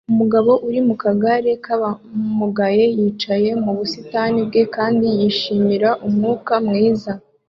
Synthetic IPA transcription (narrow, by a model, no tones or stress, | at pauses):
umuɡaβo̞ʔuɾimukaɡaɾe̞kaβamuɡaje̞jiːt͡ʃaje̞muβusitanib̚ɡe̞kaːndijiʃiːmiɾaʔumŋuːkamŋiːza